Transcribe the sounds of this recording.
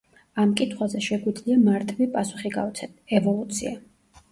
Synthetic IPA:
amkʼit̪ʰχwazɛʃɛɡwid̪zliamaɾt̪ʼvipʼasuχiɡa̰ɔt̪sʰɛt̪ɛvɔlˠut̪sʰia

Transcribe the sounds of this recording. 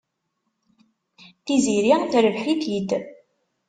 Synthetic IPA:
θiziɾiθɾəvħit̪id̪

